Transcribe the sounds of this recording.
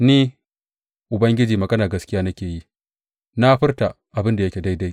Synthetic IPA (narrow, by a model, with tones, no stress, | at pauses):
niː˦ | ʔʊ˨bɐ˦ŋɡʲɪ˦d͡ʒiː˨mɐ˨ɡɐ˦naː˨ɡɐ˦skʲɪ˦jaː˦nɐ˦kʲeː˨ji˦ | na˦ɸɪ˦rta˨ | ʔa˨bɪ˦nda˨jɐ˦kʲe˨da˦jda˦j